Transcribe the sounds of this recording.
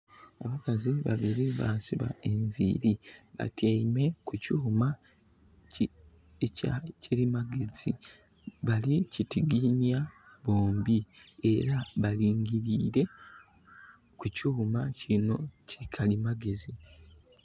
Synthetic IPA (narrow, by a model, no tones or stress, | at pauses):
a̰βakaziβa̰βiɾiβasiβa̰e̞ɱvḭɾiβa̰tʰeime̞kucuma | ecaciɾimaɡezi | βalicitiɡinijaβo̞ːmbie̞ɾaβaliːŋɡiɾiːɾe̞ | kucumacʰino̞cʰikʰalimaɡe̞zi